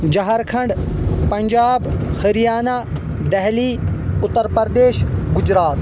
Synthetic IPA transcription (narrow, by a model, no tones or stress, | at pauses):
d͡ʒɐɦaɾkʰɐ̃ɳɖpɐ̃ɲd͡ʒaːbhɐɾijaːnaː | d̪ɛɦliːʊt̪ːəɾpəɾd̪eːʃɡʊd͡ʑɾaːt̪